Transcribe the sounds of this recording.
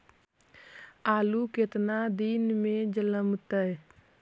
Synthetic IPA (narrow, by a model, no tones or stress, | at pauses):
aːluket̪nad̪inmẽd͡ʒələmt̪əj